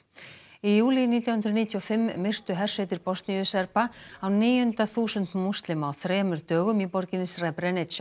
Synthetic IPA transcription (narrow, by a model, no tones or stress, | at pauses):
ijuːliniːt̪jawhʏnt̪ɾniːt̪ʰjɔfɪmːɪr̥t̪ʏɦɛr̥svɪjt̪ɪɾpɔst̪nijʏsɛɾpaawniːjhʏnt̪aθuːsʏnt̪must̪lɪmawθɾɛːmʏɾt̪œːɣʏmipɔɾcɪnɪsrɛpɾɛnɪʃa